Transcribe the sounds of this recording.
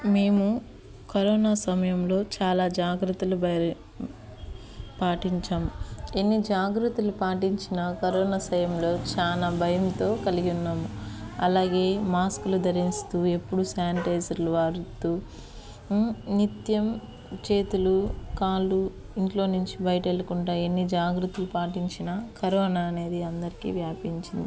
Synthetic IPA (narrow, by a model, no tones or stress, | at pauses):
me̞ːmu | kɐɾɔːnaːsɐmɐjɐmlo̞ːt͡ʃaːlaːd͡ʒaːɡɾut̪ulub | paːʈiɲt͡ʃaːmuenːid͡ʒaːɡɾut̪ulupaːʈiɲt͡ʃinɐkɐɾɔːnasɐjɐmlo̞ːt͡ʃaːnaːbʱɐjɐmt̪o̞ːkɐliɡiunːaːmuɐlaːɡe̞ːmaːskulud̪ʱɐɾist̪uːe̞pːuɽusaːɳʈɐjd͡ʒɐɾluʋaːɾut̪uː | nit̪jɐm | t͡ʃe̞ːt̪ulukaːlu | iɳʈlo̞ːnuɲt͡ʃibɐjɐʈɐelːɐkuɳʈaːe̞nːid͡ʒaːɡɾut̪ulupaːʈiɲt͡ʃinɐkɐɾɔːnaːɐne̞ːd̪iɐnd̪ɐɾikḭːʋjaːpiɲt͡ʃind̪i